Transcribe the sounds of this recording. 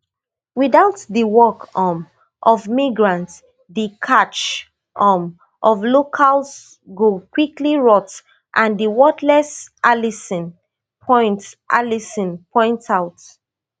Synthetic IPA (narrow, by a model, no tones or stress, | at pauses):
wiðaʊtðəwɔkʰɔ̃m | ʔɔvmiɡɹãnt | dəkʰat͡ʃ | ʔɔm | ʔɔvlokʰals | ɡokwikliɹɔt | ʔãndəwɔtlɛsʔalisɔ̃n | pʰɔ̃ɪ̃ntʔa̰lisɔ̃npʰɔ̃ɪ̃ntʰaʊt